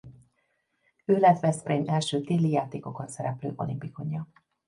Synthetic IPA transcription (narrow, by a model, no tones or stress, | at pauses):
øːlɛt̪ʋɛspreːmɛlʃøːt̪iːlːijaːt̪eːko̞ko̞nsɛɾɛplø̰ːʔo̞̰limpiko̞ɲɒ